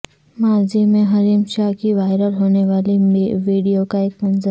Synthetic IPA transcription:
maːzimẽɦɐɾiːmʃaːɦkiʋaːɪɾəɾɦoːneʋaːliʋiːɖijokaeːkmɐnzəɾ

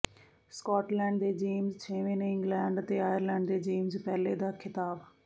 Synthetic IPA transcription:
skɔːʈlɛ̃ːɳɖd̪eːd͡ʒiːmzt͡ʃʰeːʋẽːnɪ̃ŋɡlɛːɳɖt̪eːaːjəɾlɛ̃ːɳɖd̪eːd͡ʒiːmzpɛːleːd̪aːkʰɪt̪aːb

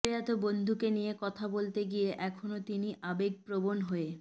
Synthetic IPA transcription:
eat̪obond̪ʱukenijekɔt̪ʰabolt̪eɡijeʔɛkʰonot̪iniʔabeɡ̚pɾobonɦoe

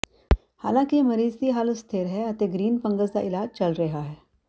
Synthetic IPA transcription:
halãkiməɾiːzt̪iːɦaːləst̪ʰeɾɦɛət̪eɡɾiːnpəŋɡəzt͡sa̰ʔilad͡ʑt͡ɕəlɾəɦaɦɛ

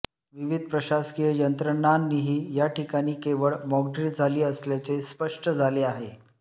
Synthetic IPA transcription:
ʋiʋid̪̚ʱpɾəɕaskijəjənt̪ɾəɳanːiɦiːjaʈikaɽ̃iːkeʋəɭmɔɡʈiɾd͡zʱaliːəsljat͡sespəʂʈʰəd͡zʱaleaɦe

